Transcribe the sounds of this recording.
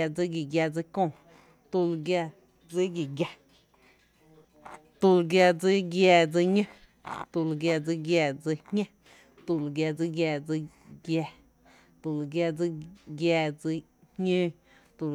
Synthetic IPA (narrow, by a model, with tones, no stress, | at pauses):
a˧d͡zi˧ɡi˨ɡja˧˨d͡zi˧kõ˧˨ | t̪u˧lɡja˧ | d͡zi˦ɡi˨ɡja˧ | t̪u˧lɡja˧d͡zi˦ɡjɛː˧d͡zi˧ɲə̃˦ | t̪u˧lɡja˧d͡zi˧˦ɡjɛː˧˨d͡zi˧hɲã˦ | t̪u˧lɡja˧d͡zi˧˦ɡjɛː˧d͡zi˧ | ɡjɛ˧ | t̪u˧˨lɡja˧d͡zi˦ɡjɛː˧d͡zi˧ | hɲə̃ː˦ | t̪u˧